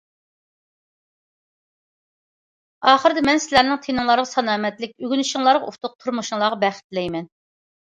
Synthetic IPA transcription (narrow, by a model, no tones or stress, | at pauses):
ɑːχəɾɨd̪ɪmɛnsɪlæɾnɪŋt̪ʰenɨŋlˠɑɾʁɑsɑnɑːmɛt̪lɪk̚ʲyɡʲynyʃiŋlˠɑɾʁɑṵft̪ʰʊq̚t̪ʰuɾmuʃuŋlˠɑːʁɑbɛχɪ̥t̪lɛjmɛn